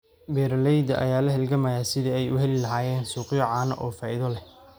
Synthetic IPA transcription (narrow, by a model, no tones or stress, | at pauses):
bɛːɾɐlɛjd̪ɐ̰ʔɐ̰jaːlɐɦɛlɡɐmɐjaːsɪðɐɛjʊhɛlɪlɐɦaːjɛːnsuːqjɔʕaːnɐ̰ʔɔːfaːʔɪðɔlɛh